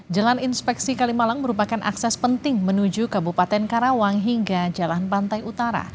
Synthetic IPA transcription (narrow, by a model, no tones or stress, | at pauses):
d͡ʒalaninspɛksikalimalamːəɾupakanʔa̰ksɛspənt̪ɪŋmənud͡ʒukabupat̪ɛnkaɾawaŋɦiŋɡad͡ʒalanpant̪ajut̪aɾa̰